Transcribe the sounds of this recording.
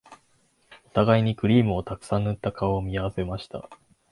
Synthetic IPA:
o̞t̪aɡaiɲ̟ikɯ̟ɾʲiːmɯ̟o̞t̪akɯ̟̥sãnːɯt̪ːakaoːmʲiaβse̞maɕi̥t̪a̰

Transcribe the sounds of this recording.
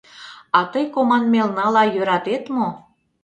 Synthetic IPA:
ɑt̪əjkomɑnmelnɑlɑjøɾɑt̪et̪mo

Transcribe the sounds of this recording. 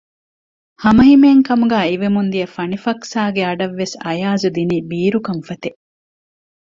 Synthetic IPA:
hɐmɐɦimeːŋkɐmuɡæːiʋemund̪ijɐfɐnifɐksaːɡeɐɖɐʋːesɐjaːzud̪iniːbiːɾukɐmfɐt̪eʔ

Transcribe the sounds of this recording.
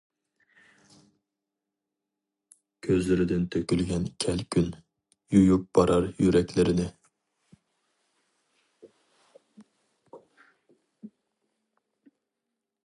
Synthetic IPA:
kʲʰøzlɪɾɪd̪ɪnt̪ʰøkʲylɡʲɛnkʲʰɛlkʲʰyn | jujup̚b̥ɑɾʔɑɾjyɾɛkʲlɪɾɪnɪ

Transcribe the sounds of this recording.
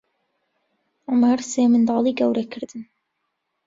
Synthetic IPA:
ʕʊmaɾseːmɨnd̪ɑːlˠiːɡɐwɾɐkʰɨɾd̪ɨn

